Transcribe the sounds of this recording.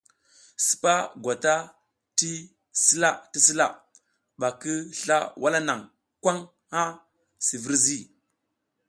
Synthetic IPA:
si̥˨pa˦ɡʷa˨ta˦ | ti˦ | si˦la˦ti˦si˦la˦˨ | ɓa˨kə˦ɬa̰˦wʔa˦la˦na˨ŋ | kʷa˦ŋ | ha˦ | si˨və˦ɾzi˦

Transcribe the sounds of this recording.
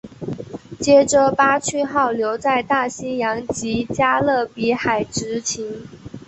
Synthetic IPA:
t͡ɕjɛ˥ʈ͡ʂə˧˥pa˥t͡ɕʰy˥˧xɑ˥˩ʊljo˧˥ʊt͡sa˥˧ɪt̪a˥˩ɕi˥jɑ˧˥ŋt͡ɕi˧˥t͡ɕja˥lɤ˥˩pi˧˥xa˨˩ɪʈ͡ʂɻ̩˧˥t͡ɕʰi˧˥ŋ

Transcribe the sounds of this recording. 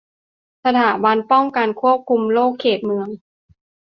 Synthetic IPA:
sa˧t̪ʰaː˩˦ba˧npɔ˥˩ŋka˧nkʰu˥˩əp̚kʰu˧mloː˥˩kʰːeː˨˩t̪̚mɯ˧əŋ

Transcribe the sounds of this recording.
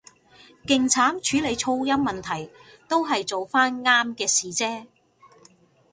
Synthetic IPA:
kɪ˨ŋt͡sʰaː˨˥mt͡ʃʰyː˨˥le˨˧jt͡ʃʰo˧wjɐ˥mːɐ˨nt̪ʰɐ˨˩j | t̪o˥wɦɐ˨jt͡so˨wfaː˥nŋaː˥mkɛː˧siː˨t͡sɛː˥

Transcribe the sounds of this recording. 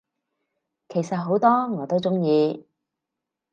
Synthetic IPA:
kʰe˨˩jsɐ˨t̚ɦo˨˥wt̪ɔː˥ŋɔː˨˧t̪o˥wt͡sʊ˥ŋjiː˧

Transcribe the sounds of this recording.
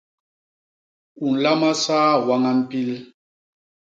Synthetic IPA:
u˨n̩˨la˦ma˦saː˦wa˦ŋa˦m̩˦pi˦l

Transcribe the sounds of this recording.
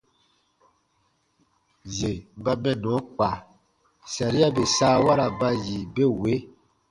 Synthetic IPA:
ze˨˦ba˦mɛ̃˦nɔ̃˨˦k͡pa˨ | sa˨ɾi˦a˦be˨saː˦wa˦ɾa˨ba˦ji˨be˦we˨˦

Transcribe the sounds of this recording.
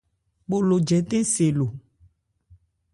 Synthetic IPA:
bo˨lo˨d͡ʒɛ˨t̪ẽ˦se˨lo˨

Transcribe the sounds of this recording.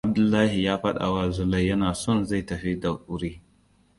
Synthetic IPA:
ʔa˦b̚dʊ˨lːaː˦hi˨jaː˦ɸɐ˦ɗa̰˨wa˦˨zʊ˦lɐ˦˨jjɐ˦naː˨sɔ˦˨nza˦˨jtɐ˨ɸi˦dɐ˨ʔʊ˦ɾiː˦

